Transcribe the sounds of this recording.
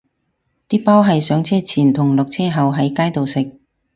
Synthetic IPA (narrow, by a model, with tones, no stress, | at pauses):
t̪iː˥paː˥wɦɐ˨jsœː˨˥ŋt͡sʰɛː˥˩t͡sʰiː˨˩nt̪ʰʊ˨˩ŋlʊ˨k̚t͡sʰɛː˥ɦɐ˨˩wɦɐ˨˥jkaː˥jt̪o˨wsɪ˨k̚